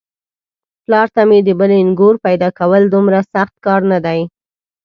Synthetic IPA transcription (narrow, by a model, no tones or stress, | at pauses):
plɑɾt̪amed̪əbəlɪŋɡoɾpajd̪ɑkawəld̪umɾasaxt̪̚kɑɾnad̪aj